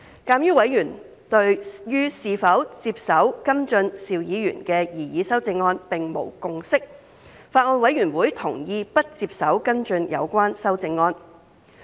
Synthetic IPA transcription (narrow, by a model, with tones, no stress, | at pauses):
kaː˧mjyː˥wɐ˨˥jɥyː˨˩n | t̪ɵ˧ɥjyː˥siː˧fɐ˨˥wt͡siː˧p̚sɐ˨˥wkɐ˥nt͡ʃɵ˧nsiː˧wjiː˨˥jy̰ː˨˩nkɛː˧jiː˨˩jiː˨˥sɐ˥wt͡sɪ˧ŋːɔː˧npɪ˨ŋmo̰˨˩wkʊ˨˧ŋsɪ˥k̚ | faː˧t̚ŋɔː˧nwɐ˨˥jɥyː˨˩nwuː˨˥jt̪ʰʊ˨˩ŋjiː˧pɐ˥t̚t͡siː˧p̚sɐ˨˥wkɐ˥nt͡ʃɵ˧njɐ̰˨˧wkʷaː˥nsɐ˥wt͡sɪ˧ŋːɔː˧n